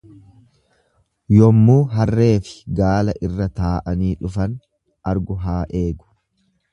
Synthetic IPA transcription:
jɔmːuːɦɐrːe̞ːfɪ̥ɡaːlɐʔɪrːɐt̪aːʔɐniːᶑʊfɐn | ʔɐɾɡʊɦaːʔe̞ːɡʊ̥

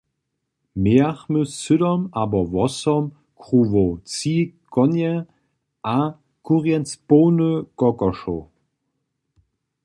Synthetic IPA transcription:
meːaχməsydɔmaːbɐvɔsɔm | kʁuːvot͡siːɡ̥ɔnjɛ | ʔa | kʰuʁjɛnspoːnəɡ̥ɔkɔʃo̰

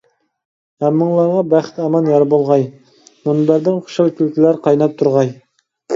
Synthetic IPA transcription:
hæmːɨŋlˠɑɾʁɑbæχt̪ɑmɑnjɑɾbolˠʁɑj | munbæɾd̪ɪŋχʰʊ̥ʃɑlˠkʲylkʲʰilæɾqʰɑjnɑp̚t̪ʰuɾʁɑj

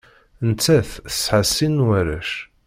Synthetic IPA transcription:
nt͡sːæθə̥sħəsːinwæɾæ̰ʃ

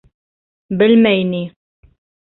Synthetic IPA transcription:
bəlmæjni

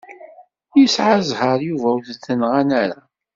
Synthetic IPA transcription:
jisʕazhəɾjuvæwθθənʁanaɾa

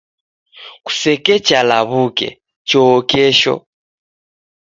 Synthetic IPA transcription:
ku̥sɛkɛt͡ʃalaβukɛ̰ | t͡ʃɔːkɛʃɔ̰

